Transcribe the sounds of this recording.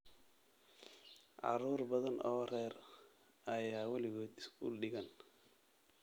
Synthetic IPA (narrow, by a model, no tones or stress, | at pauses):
ʕɑ̰ɾuːrbɐðɐnɔɾɛːɾ | ɐjaːwɐlɪɣɔːd̪ɪskṵːlɗɪɣɐn